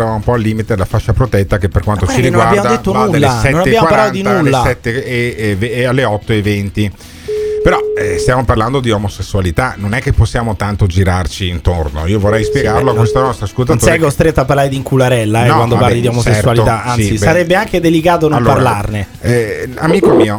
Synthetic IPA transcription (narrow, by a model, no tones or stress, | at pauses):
aaumpɔalːiːmit̪ed̪elafat͡ʃːapɾot̪ɛt̪ːakepːerkwant̪ot͡ʃiɾiɡnwnabjaːmod̪d̪et̪ːonuːasɛtnonab̪jaːmwaɾpalat̪nod̪inaulːaɛt̪ːeevalːeɔt̪ːoevent̪i | peɾɔɛst̪jaːmoparland̪od̪iɔmosesːualit̪anonɛkːepːosːjaːmot̪ant̪od͡ʒiɾart͡ʃiːnt̪orno̰iːovorːɛjspjeɡarloakːwest̪anɔst̪ɾaskolt̪assɛɡost̪ɾet̪ːoapːaɾlaːɾed̪iŋkʰulaɾɛlːaɛknɔwand̪oparlid̪iomoseɛsɾualit̪aansisisaɾɛbːeaŋked̪elikaːt̪̬onõalːpːaɾrlarne | ɛamiːkomiːo